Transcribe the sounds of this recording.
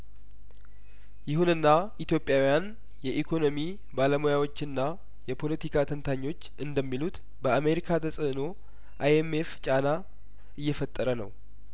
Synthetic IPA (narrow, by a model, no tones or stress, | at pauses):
jɪhunɨnːaʔit̪jo̞pʼjawijan | jɛʔikʰo̞no̞mi | baləmojawo̞t͡ʃːɨnːa | jɛpʰo̞lət̪ʰikʰat̪ʰənt̪ʰaɲːo̞t͡ʃːʔɨnd̪əmːilut̪ | bəame̞ɾikʰat̪ʰəsʼəno̞ | ʔajemeft͡ʃʼana | ɨjːɛfət̪ʼːəɾənə̰w